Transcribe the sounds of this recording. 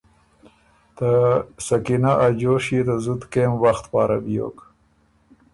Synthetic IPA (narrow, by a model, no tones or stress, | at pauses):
t̪əsakinaʔad͡ʒoʃit̪əzud̪kemwaxt̪pɑːɾa̰bjo̰ːk